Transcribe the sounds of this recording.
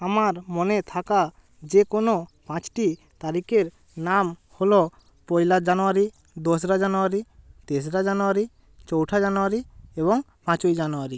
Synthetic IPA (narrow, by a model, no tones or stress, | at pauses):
amaɾmɔnet̪ʰaka | d͡ʒekonopãt͡ʃʈi | t̪aɾikeɾ | namhɔlɔ | pɔjlad͡ʒanɔwaɾi | d̪ɔs̬ɾad͡ʒanɔaɾit̪es̬ɾad͡ʒanɔwaɾi | t͡ʃɔwʈʰad͡ʒanɔwaɾiebɔŋ | pãt͡ʃujd͡ʒanɔwaɾi